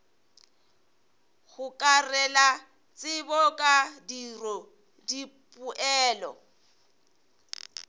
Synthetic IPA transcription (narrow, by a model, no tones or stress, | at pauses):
ɣʊkʼarɛla | t͡sʼɪbɔkʼadirɔ | dipʼʊʔɛːlɔ̰